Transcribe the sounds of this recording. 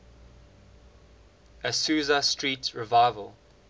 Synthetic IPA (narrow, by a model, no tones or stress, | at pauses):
əsʉːzəstʰɹiːˑtsɹɪvaɪvəlˠ